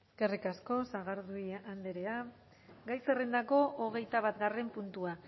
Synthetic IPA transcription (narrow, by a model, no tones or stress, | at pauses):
skerikasko̞saɣaɾðuiand̪e̞ɾe̞a | ɡajserend̪ako̞ʔoɣ̞e̞jt̪aβat̪ɡare̞mpunt̪ua